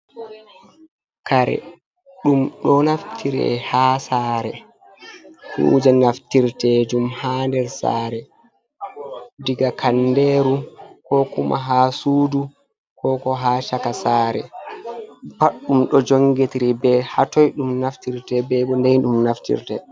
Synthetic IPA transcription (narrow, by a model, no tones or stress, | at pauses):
kaɾɛ̰ | ɗumɗɔnaftʰiɾɛ̰haːsaːɾɛ | hṵːd͡ʒanaftiɾtɛːd͡ʒumhaːndɛɾsa̰ːɾɛ | diɡakʰandeɾukɔkumʔa̰ɦaːsuːdu | kɔkɔɦaʃakasaːɾɛ̰ | paɗːumɗɔd͡ʒoŋɡetiɾibɛhatɔjɗumnaftiɾtɛbɛbɔndɛnɗumnaftḭɾtɛ